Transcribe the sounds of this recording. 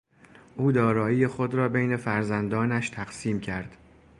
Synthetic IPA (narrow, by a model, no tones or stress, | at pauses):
ʔuːd̪ɒːɾɒːiːjexod̪ɾɒːbejne̞fæɾzænd̪ɒːnæʃt̪ʰæɡsiːmcʰæɾd̪̥